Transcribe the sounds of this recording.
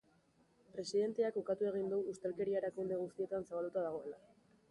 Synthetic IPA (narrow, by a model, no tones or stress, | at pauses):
pɾe̞siðe̞nt̪eakukat̪ue̞ɣ̞ind̪uust̪elke̞ɾiaɾakund̪e̞ɣ̞ust̪ie̞t̪ansaβald̪ut̪aðaɣo̞e̞la